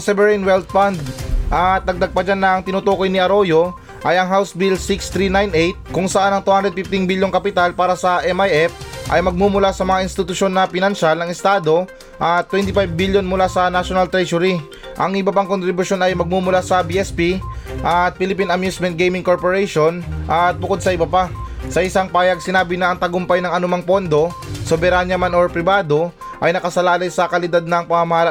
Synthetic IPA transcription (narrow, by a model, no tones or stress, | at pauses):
ɐsɛbɛɾijnwɛlt̪̚fand̪̚ʔɐt̪̚ːɐɡ̚d̪ɐɡ̚pɐd͡ʒanːɐŋt̪ɪnʊt̪oːko̞jnɪʔɐɾo̞jo̞ | ʔɐjɐŋɦawsbilsɪkst̪ɾinajnʔejt̪̚kʊŋsɐʔanɐŋt̪uːhand̪ɾɛd̪fɪft̪ɪŋbiljoŋkɐpɪt̪alpaːɾɐsɐʔɛmajʔɛfʔɐ̰jmɐɡ̚mumʊlasɐmɐŋaʔɪnst̪ɪt̪ʊʃjo̞nːɐpɪnɐnʃalnɐŋɪst̪aːd̪o̞ | ʔɐt̪ːwɛnt̪ɪfajbːiljo̞nmʊlasɐnaʃonɐlt̪ɾɛʃoɾi | ʔɐŋɪbɐpaŋko̞nt̪ɾɪbʊʃjo̞nɐjmɐɡ̚mumʊlasɐbiɛspiʔɐt̪̚pɪlɪpinɐmjusmɛnt̪̚ɡejmɪŋkoɹpoɹɛjʃo̞nʔɐt̪̚bʊko̞d̪̚sɐʔɪbɐpasɐʔɪsaŋpaːjɐɡ̚sɪnaːbɪnɐːŋt̪ɐɡʊmpɐjnɐŋɐnʊmaŋpo̞nd̪o̞ | sobɛɾanjɐmanoɹpɾɪbaːd̪o̞ | ʔɐjnɐkɐsɐlaːlɐjsɐkɐlɪd̪ad̪̚nɐŋpɐŋɐmɐhaːla